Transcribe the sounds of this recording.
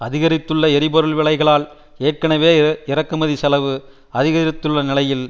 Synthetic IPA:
ɐðɪɣɐɾɪt̪ːɯɭːɐɛɾɪpɔɾɯɭʋɪɭɐɪɣɐɭaːl | eːʈ̚kɐnɐʋeːɪɾɐkːɯmɐðisɐlɐʋɯ | ɐðɪɣɐɾɪt̪ːɯɭːɐnɪlɐjɪl

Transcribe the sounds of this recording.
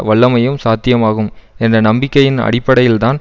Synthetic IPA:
ʋɐɭːɐmɐjɯmsaːt̪ːɪjɐmaːɣɯmɛndrɐnɐmbɪkːɐjɪnɐ̰ɽɪpːɐɽɐjɪlt̪aːn

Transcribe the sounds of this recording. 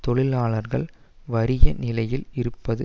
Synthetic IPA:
t̪ɔɭɪlaːɭɐɾɣɐɭ | ʋɐɾɪjɐnɪlɐjɪlɪɾɯpːɐðɯ

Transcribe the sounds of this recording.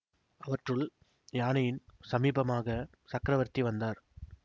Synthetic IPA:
ɐʋɐʈrɯɭ | jaːnɐjɪnsɐmiːbɐmaːɣɐ | sɐkɾɐʋɐɾt̪iʋɐnd̪aːɾ

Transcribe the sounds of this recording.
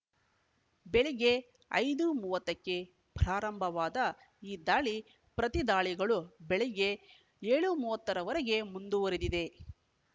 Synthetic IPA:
bɛɭeɡe | ɐ̰jd̪umuːʋɐt̪ːɐkːe̞ | pɾaːɾɐmbʱɐʋaːd̪ɐ | iːd̪aːɭi | pɾɐt̪id̪aːɭiɡɐɭubɛɭɛɡe̞ | eːɭumuːʋɐt̪ːɐɾɐʋɐɾeɡe̞mund̪uʋɐɾed̪id̪e̞

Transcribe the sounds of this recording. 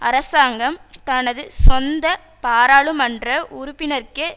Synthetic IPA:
ɐɾɐsaːŋɡɐmt̪ɐnɐðɯsɔnd̪ɐ | paːɾaːɭɯmɐndrɐʔʊɾʊpːɪnɐɾkɯ

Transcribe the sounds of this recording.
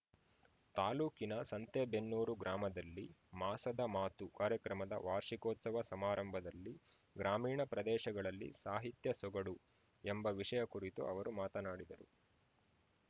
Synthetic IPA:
t̪aːluːkinɐsɐnt̪eːbe̞nːuːɾuɡɾaːmɐd̪ɐlːimaːsɐd̪ɐmaːt̪ukaːɾjɐkɾɐmɐd̪ɐ̰ʋaːɾʂikɔːt̪sɐʋɐsɐmaːɾɐmbʱɐd̪ɐlːi | ɡɾaːmiːɳɐpɾɐd̪ɛːʃɐɡɐɭɐlːḭsaːɦit̪jɐsɔɡɐɽu | embɐʋiʂɐjɐkuɾit̪ṵʔɐ̰ʋɐɾumaːt̪ɐnaːɽid̪ɐɾṵ

